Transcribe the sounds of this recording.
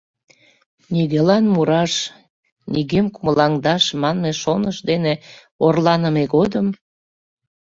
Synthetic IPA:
niɣelɑnmuɾɑʃ | niɣemkuməlɑŋd̪ɑʃmɑnmeʃonəʃd̪ene | orlɑnəmeɡod̪əm

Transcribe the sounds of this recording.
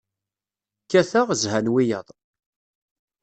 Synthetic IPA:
kːæθaʁzhænwijəðˤ

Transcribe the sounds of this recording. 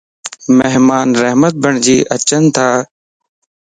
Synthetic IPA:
meɦmaːnɾəɦmət̪̚bəɳd͡ʒiːʔət͡ʃənt̪ʰaː

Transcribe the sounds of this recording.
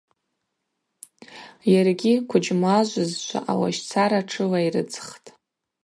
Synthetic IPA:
jarɡʲikʷʰʊd͡ʒmaʒʷʊzʃʷʰa̰ʔawa̰ʃt͡sʰaɾaʈ͡ʂʰɨlairɨ̰d͡zχtʼ

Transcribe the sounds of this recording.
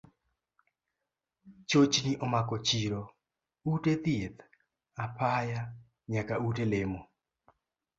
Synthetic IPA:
t͡ʃot͡ʃniʔɔmakɔt͡ʃiɾo | utet̪jet̪ | apʰaja | ɲakautelemo

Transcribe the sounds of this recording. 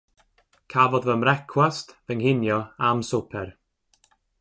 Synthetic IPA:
kʰavɔd̪vəmɾɛkʰwastvəŋhɪnjɔamsupʰɛɾ

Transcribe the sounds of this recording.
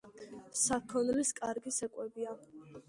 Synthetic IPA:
sakʰɔnliskʼaɾɡisɛkʼwɛbia

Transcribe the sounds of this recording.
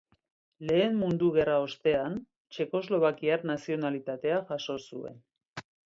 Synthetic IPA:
le̞ːnmund̪uɣe̞rao̞st̪e̞an | t͡ʃe̞ko̞zlo̞βakiaɾnasio̞nalit̪at̪e̞axaʃo̞sue̞̰n

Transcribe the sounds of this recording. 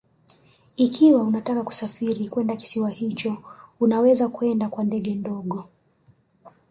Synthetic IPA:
ikʰiwaunatakaku̥safiɾikwɛndaki̥siwahit͡ʃɔunawɛzakuɛndakwandɛɠɛndɔɠɔ

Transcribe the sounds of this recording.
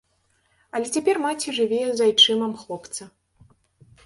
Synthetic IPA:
ɐlʲɛt͡sʲapʲɛrmat͡sʲiʐɨvʲejɛzajt͡ʂɨmɐmxlˠɔpt̪sɐ

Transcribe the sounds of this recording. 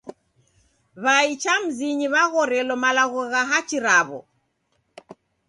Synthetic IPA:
βait͡ʃam̩ziɲiβaɣɔɾɛlɔmalaɣɔɣaɦat͡ʃiɾaβɔ̰

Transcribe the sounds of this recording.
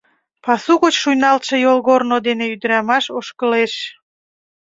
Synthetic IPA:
pɑsuɣot͡ɕʃujnɑlt̪ʃĕjolɣornod̪eneyd̪əɾɑmɑʃoʃkəleʃ

